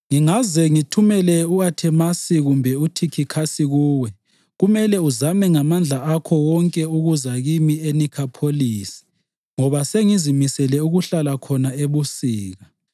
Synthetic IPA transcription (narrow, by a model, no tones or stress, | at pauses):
ŋiŋazɛŋitʰumɛlɛuatʰɛmasiɣumbʱɛutʰikʰikʰasiɣuːwɛ | ɣumɛlɛuzamɛŋamand͡ɮʱaakʰɔwɔŋkʼɛuɣuzaɣimienikʰapʰoliːsi̥ | ŋɔβaseŋizimisɛlɛuɣuɬalakʰɔnaeβusiːɣa